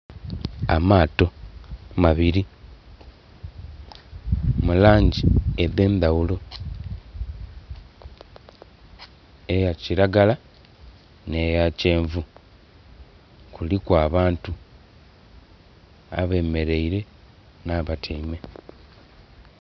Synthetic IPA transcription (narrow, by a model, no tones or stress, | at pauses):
amaːto̞maβiɾi | mulaːɲɟieðe̞ːndawulo̞ | ejaciɾaɡala | ne̞jace̞ːɱvu | kulikwaːβaːntu | a̰βe̞ːme̞ɾe̞iɾe̞ | naβatʰeime̞